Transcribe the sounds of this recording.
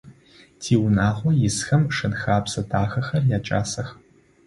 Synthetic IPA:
tʰiːwnaːʁʷɔjɪsxɐmʂɨnxaːpsɐdʰaːxɐxɐrjaːt͡ʃʼa̰ːsɐx

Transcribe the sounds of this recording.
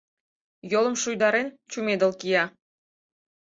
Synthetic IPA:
jolˠɤ̆mʃujd̪ɑɾent͡ɕumed̪ə̆lˠkijɑ

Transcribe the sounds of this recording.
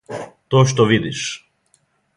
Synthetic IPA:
t̪oʃt̪oʋid̪iʃ

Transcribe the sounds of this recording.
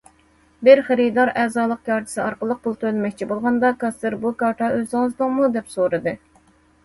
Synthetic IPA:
bɪɾχɪɾid̪ɑɾɛːzɑːlˠəq̚jɑɾt̪ʰɨ̥sɨɑɾqəlˠːəq̚pʊlˠt̪ʰølɪmɛkʲt͡ʃʰibolˠʁɑnd̪ɑkɑst̪ɨɾbukɑɾt̪ʰɑʔøzɑŋzd̪ʊŋmud̪ɛpsoɾɨd̪ɨ

